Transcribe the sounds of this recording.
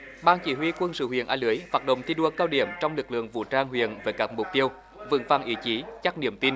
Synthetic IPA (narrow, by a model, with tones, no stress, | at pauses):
ɓaː˧nt͡ɕḭ˧˩ɦwi˧kwə˧nsɨ̰˧˨wḭ˧˨ənʔaː˧lɨ˨˦əjfaː˨˩t̚ɗə̰˧˨ŋ͡mt̪ʰi˧ɗu˧˩əkaː˧wɗḭ˧˩əmt͡ɕɔ˧wŋ͡mlɨ˨˩k̚lɨ̰˧˨əŋvṵ˧˨t͡ɕaː˧ŋɦwḭ˧˨ənveː˨˦jkaː˦˥k̚mʊ˨˩k͡p̚t̪i˧əw | vɨ̰˧˥əvaː˧˩ŋʔi˨˦t͡ɕi˨˦t͡ɕa˦˥k̚nḭ˧˩əmt̪i˧n